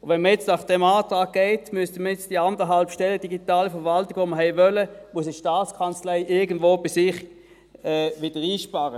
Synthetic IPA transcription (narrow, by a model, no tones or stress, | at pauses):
ʊvɛnməjɛt͡stnɑχd̥ɛmaːtʁaːɡ̚ɡ̥ɛɪtmystəməjɛt͡sd̥iandəɦalpʃtɛləd̥iɡitaːləfɛɐʋaltɪɡ̥voməɦɛɪvœləmuʊəsiʃtaːt͡skʰɑnt͡slɛɪʔɪɐɡənd̥vʋoːb̥ɪsɪχ | ɛːʋɪd̥əʁiːʃpaʁə